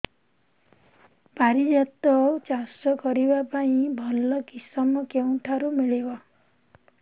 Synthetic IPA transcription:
paɾid͡ʒat̪ɔt͡ʃasɔkɔɾibapaĩbʱɔlɔkisɔmɔkeũʈʰaɾumiɭibɔ

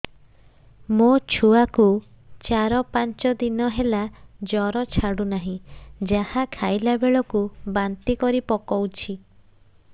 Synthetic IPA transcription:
mot͡ʃʰuaku | t͡ʃaɾɔpant͡ʃɔd̪inɔɦelad͡ʒɔɾɔt͡ʃʰaɽunaɦĩd͡ʒahakʰajlabeɭɔkubant̪ikɔɾipɔkɔwt͡ʃʰi

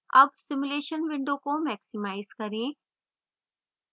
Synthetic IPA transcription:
ɐbsɪmʊleːʃənʋɪ̃ɳɖõkomɛːksɪmaːɪzkɐɾẽː

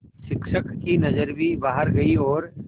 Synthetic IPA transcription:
ʃɪkʃəkːinɐzəɾbʱibaːɦəɾɡɐiɔːɾ

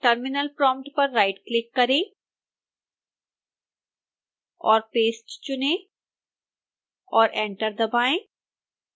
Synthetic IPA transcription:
ʈəɾmɪnəlpɾɔ̃ːmpʈpɐɾːaɪʈklɪkːɐɾẽː | ɔːɾpeːsʈt͡ʃʊnẽ | ɔːɾɛ̃ːɳʈəɾd̪ɐbaːẽː

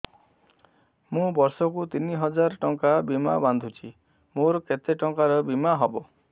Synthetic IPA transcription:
mũbɔɾsɔkut̪iniɦɔd͡ʒaɾʈɔŋkabima̰band̪ʱut͡ʃʰi | moɾket̪eʈɔŋkaɾɔbimaɦɔbo

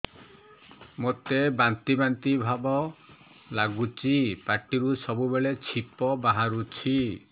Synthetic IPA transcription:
mot̪ebant̪ibant̪ibʱabɔ | laɡut͡ʃʰipaɾʈiɾusɔbubeɭet͡ʃʰipɔbaɦaɾut͡ʃʰi

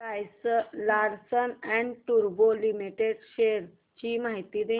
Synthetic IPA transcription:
ajslaɾsənɛ̃ɳɖʈuɾbolimiʈeɖʃeɾ | t͡ɕimaɦit̪id̪e

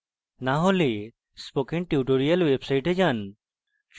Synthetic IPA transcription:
naɦole | spokeɳʈiuʈoɾijalwebsajʈed͡ʒan | t͡ʃ

